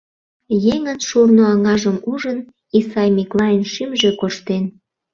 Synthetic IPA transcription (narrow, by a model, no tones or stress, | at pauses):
jeŋənʃurnoɑŋɑʒəmuʒən | isɑjmiklɑenʃymʒekoʃt̪en